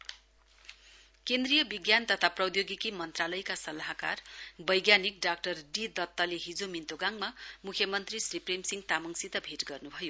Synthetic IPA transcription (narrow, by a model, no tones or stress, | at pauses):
kend̪rijʌbiɡjant̪ʌt̪ʰaprʌd̪joɡikimʌnt̪ralʌjkasʌlaɦka̰rbʌjɡjanik̚ɖak̚ʈʌrɖid̪ʌt̪ːʌleɦid͡zomint̪oɡaŋmamukʰjʌmʌnt̪risripremsiŋɡt̪amʌŋsit̪ʌbʱiʈɡʌrnubʱʌjo